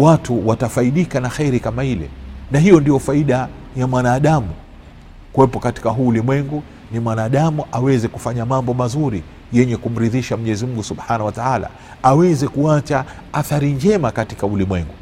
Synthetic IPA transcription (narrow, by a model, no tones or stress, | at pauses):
watuwatafaiɗikanaxɛɾikamailɛ̰naɦijɔndijɔfaiɗa | jamwanaːɗamu | kuwɛpɔkati̥kaɦuːlimwɛŋɡu | nimwanaːɗamuʔawɛzɛkufaɲamambɔmazuɾi | jɛɲɛkum̩ɾiðiʃam̩ɲɛzimuɡusuɓħanahwataala̰ | awɛzɛkuat͡ʃa | aθaɾind͡ʒɛmakati̥kaulimwɛŋɡu